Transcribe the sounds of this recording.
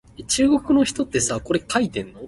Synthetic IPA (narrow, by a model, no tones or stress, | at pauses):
et͡ɕɨːɡo̞kɯ̟no̞çi̥t̪o̞t̪ːe̞sako̞ɾe̞kait̪ẽ̞nːo̞